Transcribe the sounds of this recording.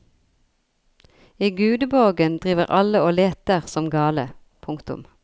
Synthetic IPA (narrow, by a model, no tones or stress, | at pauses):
iːɡʉːd̪əboɡənd̪ʁiːʋəʁɑləoːleːt̪əʁsɔmɡɑːlə | pʰʊŋkt̪ʊ̰m